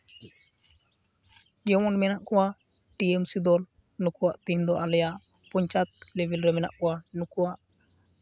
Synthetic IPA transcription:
ɡɛwɔnmɛnaʔkɔwa | ʈiɛmsid̪ɔl | nukuwaʔt̪ind̪ɔʔalɛjaʔ | puɲt͡ʃat̪̚lɛbɛlɾɛmɛna̰ʔkɔwanukuwaʔ

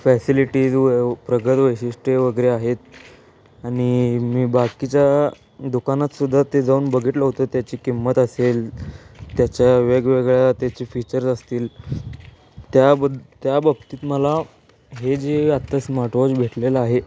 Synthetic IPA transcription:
fæsiliʈiːd͡zpɾəɡət̪ʋəjɕiʂʈeʋəɡəɾeaɦet̪̚ | aɽ̃imiːbakit͡ɕja | d̪ukanat̪sud̪ʱːat̪ed͡zauːnbəɡʱiːt̪ləɦt̪ot̪jat͡ɕiːkimːət̪əselt̪jat͡ɕjaʋeɡʋeɡɭjat̪jat͡ɕiːfit͡ɕəɾsəst̪iːl | t̪jabəd̪t̪jabəb̚t̪iːt̪məla | ɦed͡ʑeat̪ːəsmaʈʋod͡zbʱeʈleləaɦe

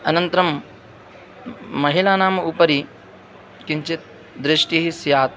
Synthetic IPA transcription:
ɐnɐnt̪ɐɾɐm | ɐɦilaːnaːmɐupɐɾi | kiɲt͡ʃit̪̚ | d̪ɾɪʂʈiɦisjaːt̪

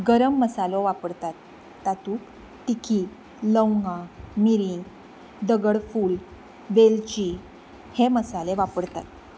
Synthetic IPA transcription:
ɡəɾəmːəsalɔʋapəɽt̪at̪ː | at̪uːk | t̪ikʰiːt | ləwŋɡãmiɾiŋɡ | d̪əɡəɽfuːl | ʋelt͡ɕi | heməsaleʋapəɽt̪at̪

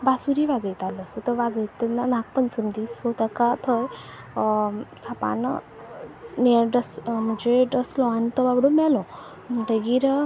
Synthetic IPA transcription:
basuɾiʋad͡zəjt̪alɔəsut̪əɾʋad͡zəjt̪ːɛnanãk̚pənsəmd̪iːsot̪əkat̪ʰəj | sapa̰n | neɾɖəsm̤əɳd͡zeɖəslɔanit̪ɔbabɽomɛlɔ | m̤əʈəɡiɾ

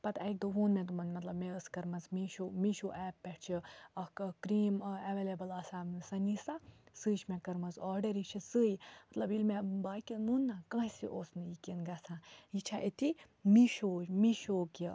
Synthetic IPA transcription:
pɐt̪ɐk̚d̪oɦoːnmẽt̪umɐnmɐt̪lɐbmeəskɐɾmɐzmiʃoːmiʃoːʔɛːpːɛʈt͡ʃʰiɐkkɾiːmeʋeːlebɐlaːsasɐnisasɨːt͡ʃʰmẽkɐɾmɐnzɔːɾɖɐɾit͡ʃʰisɨːjmɐt̪lɐbilmẽbaːkʲinunːãːkɐ̃ːɦsiʔoːsnɨjikinɡɐsãːjit͡ʃʰaʔet̪i | miʃoːd͡ʒmiʃoːki

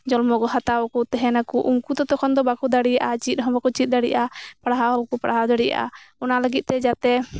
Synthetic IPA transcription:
d͡ʒɔlmɔɡɔɦat̪awɔkut̪ɛɦɛnakuʔuŋkut̪ɔt̪ɔkʰɔnd̪ɔbakud̪aɽijaʔat͡ʃit̪̚ˀɦɔ̃bakɔt͡ʃit̪̚d̪aɽijaʔapaɽaɦakupaɽaɦad̪aɽija̰ʔa̰ɔnaləɡit̪̚ˀt̪ɛd͡ʒat̪ɛ

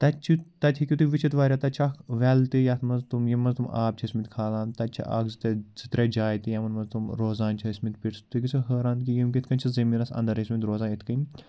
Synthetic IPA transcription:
t̪ɐt͡ʃʰit̪ɐt̪ʰʲikʲit̪uʋit͡ʃʰit̪ʋaːɾʲat̪ɐt͡ʃʰɐkʋɛlt̪ijaːt̪mɐnzt̪umjimːɐnzt̪uma̰ːb̚t͡ʃʰɐsmit̪ʲkʰaːlãːnt̪ɐt͡ʃʰɐ̰ʔa̰ːkzit̪ez̥it̪ɾed͡ʒaːjt̪ijɐmɐnmɐnzt̪umɾoːzaːnt͡ʃʰɐismint̪̚ʲpiʈst̪ikit͡sʰuɦəːɾaːnt̪kijimkʲit̪ʰkɐnʲt͡ʃʰɐzɐmiːɾɐsɐ̰nd̪ɐɾɐsmint̪ɾoːzaːnit̪ʰkɐnʲ

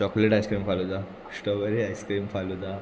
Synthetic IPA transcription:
t͡ɕɔkleʈajskɾimfalud̪a | sʈəʋəɾiajskɾimfalud̪a

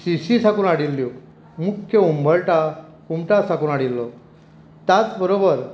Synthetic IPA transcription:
siɕisakuːnaɽilːjo | mukʰjəumbʱəɭʈa | kumʈasakuːnaɽilːɔ | t̪jat͡sbəɾobəɾ

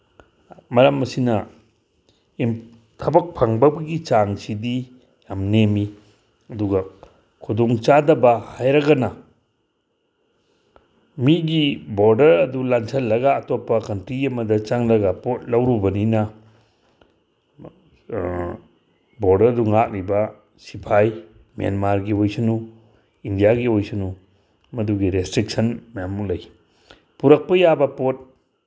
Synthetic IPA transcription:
mɐɾɐmːɐsinɐ | im | tʰɐbɐk̚pʰaŋbɐbɐɡit͡ʃaŋsidi | amnemi | ɐduɡɐ | kʰudɔŋt͡ʃadɐbɐhajɾɐɡɐna | miɡiboɾdɐɾɐdulansʰɐlːɐɡaːtopːɐkɐntɾiɐmɐdɐt͡ʃaŋlɐɡapot̚lɐwɾubɐninɐ | boɾdɐɾɐduŋak̚libɐ | sipʰaj | ma̰nmaɾɡiojsɐnu | indijaɡiojsɐnu | mɐduɡiɾestɾik̚sɐnmjamulɐj | puɾɐk̚pɐjabɐpot̚

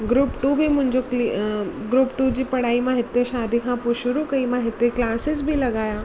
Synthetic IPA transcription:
ɡɾuːpʈubʱimʊ̃ɦɪ̃ɲd͡ʑokliɡɾuːpʈuːd͡ʑiːpɐɽ̤aːimãɦɪt̪eʃaːd̪ʱikʰãpoiʃʊɾukɐimãɦɪt̪eklaːsɪzbʱilɐɡaːjaː

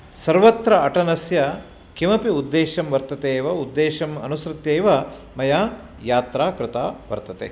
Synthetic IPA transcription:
sɐɾʋɐt̪ɾɐɐʈɐnɐsjɐ | kimɐpiud̪ːeːʃɐmʋɐɾt̪ɐt̪eːʋɐud̪ːeːʃɐmɐ̰nusɾɪt̪jeːʋɐ | mɐjaː | jaːt̪ɾaːkɾɪt̪a̰ːʋɐ̰ɾt̪ɐt̪ḛː

